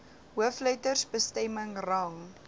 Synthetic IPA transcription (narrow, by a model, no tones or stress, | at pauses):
ɦuəfləjtərsbəstɛməŋrɐŋ